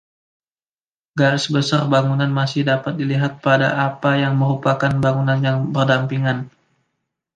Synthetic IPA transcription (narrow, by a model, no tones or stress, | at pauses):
ɡaɾɪsbəsarbaŋunanmasɪhdapat̪̚diliɦat̪̚pada̰ʔapajaŋməɾupakanbaŋunanjaŋbərdampiŋan